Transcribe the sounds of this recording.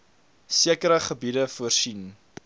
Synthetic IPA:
siəkəɾəχəbidəfuərsin

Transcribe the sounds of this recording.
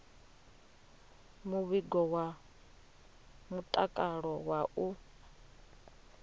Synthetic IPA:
muβiɡɔwa | mutʼakʼaɺɔwaʔu

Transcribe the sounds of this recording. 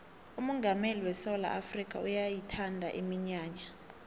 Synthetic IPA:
umɔŋɡʱameliwɛsɔla̰ʔafrikʼa̰ujajitʰandʱa̰ʔimiɲaːɲa

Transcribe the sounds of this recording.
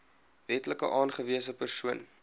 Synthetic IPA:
vɛtləkə̰ʔɑːnχəviəsəpərsuən

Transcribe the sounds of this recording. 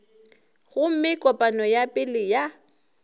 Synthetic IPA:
ɣʊm̩mɪkʼɔpʼanɔjapʼɪlɪja

